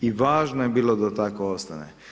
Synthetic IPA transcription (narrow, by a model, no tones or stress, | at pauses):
iʋaːʒnojebiːlod̪at̪akoost̪anḛ